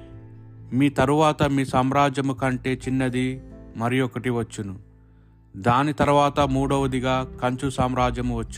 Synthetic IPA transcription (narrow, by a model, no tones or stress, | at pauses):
miːt̪ɐɾuʋaːt̪ɐmiːsaːmɾaːd͡ʒɐmukɐɳʈe̞ːt͡ʃinːɐd̪imɐɾijɔkɐʈiʋɐt͡ʃːunu | d̪aːnit̪ɐɾuʋaːt̪ɐmuːɽɐʋɐd̪iɡaːkɐɲt͡ʃusaːmɾaːd͡ʒɐmuʋɐt͡ʃːu